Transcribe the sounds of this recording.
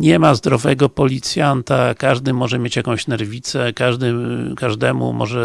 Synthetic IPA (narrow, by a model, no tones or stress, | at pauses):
ɲɛmazd̪ɾɔvɛɡɔpɔlʲit̪sʲjant̪akaʐd̪ɘmɔʐɛmʲjet͡ɕjakɔ̃w̃ɕnɛɾvʲit̪sɛkaʐd̪ɘkaʐd̪ɛmṵmɔ̰ʐɛ